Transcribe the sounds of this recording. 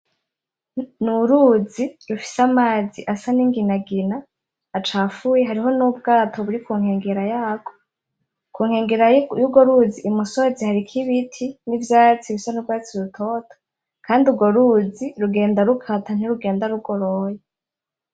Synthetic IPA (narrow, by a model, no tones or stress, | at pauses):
nuɾuziɾufi̥samaːziʔasaniŋɡinaɡinaː | t͡ʃaːfujeɦaɾiɦo̞nub̚ɡaːtʰo̞βuɾikuːŋhe̞ːŋɡeɾajaːɡo | kuːŋhe̞ːŋɡeɾajuɡo̞ɾuziʔːmusozihaɾikʰiβitʰinivjaːt͡siβisanubɡaːt͡siɾutʰo̞tʰo̥ | kaːndiuɡo̞ɾud͡ziɾuɡe̞ːndaɾukʰatan̥iɾuɡe̞ːndaɾuɡo̞ɾoje